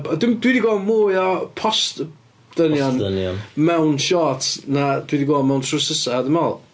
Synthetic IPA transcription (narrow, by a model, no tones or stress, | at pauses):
ɔdɪmdwidiɡɔːmuːjɔpʰɔst | d̥ənjɔnnnmɛwnʃɔtʰnad̥wiːdiɡɔːlˠmɛwntʰrʊsəsadəmɔlˠ